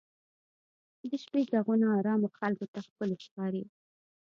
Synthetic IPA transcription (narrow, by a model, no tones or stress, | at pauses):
d̪əʃpezaɣunaɑɾɑmoxalkot̪axpəloʃkɑɾi